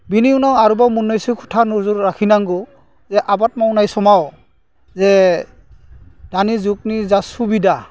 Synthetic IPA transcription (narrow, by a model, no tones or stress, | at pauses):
biniunawaɹubamunːojsikʰu̥tʰanuɹzuɾːakʰinaŋɡɔ | zɛʔabat̚mawnajsɔmaw | zɛ | d̥anizuk̚nizasubida